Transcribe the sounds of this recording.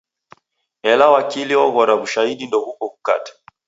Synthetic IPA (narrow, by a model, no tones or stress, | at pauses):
ɛlawakiliɔɣɔɾaβuʃaiɗindɔhukɔku̥ka̰tḁ